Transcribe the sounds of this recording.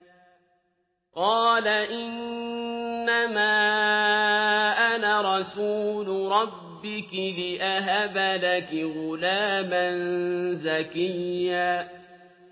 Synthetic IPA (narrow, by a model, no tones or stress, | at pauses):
qɑːlaʔɪnː | amaː | ʔanaɾˤɑsuːlʊɾˤɑbːɪkɪlɪʔaɦabalakɪɣʊlaːmanzakɪjːaː